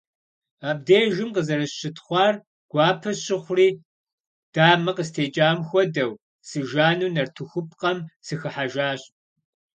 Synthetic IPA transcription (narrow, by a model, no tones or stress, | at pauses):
aːb̚deːʒɪmqəzɐɾɐɕɪtʰχʷɑːr | ɡ̥ʷɑːpʰɐɕɪχʷriː | d̥aːmɐqəstʰeːt͡ʃʼaːmxʷɔdɐw | sɨʒaːnuːnɐrtʰɨxʷʊp̚ʰʼqɐmsɨxɨħaʒaːɕʼ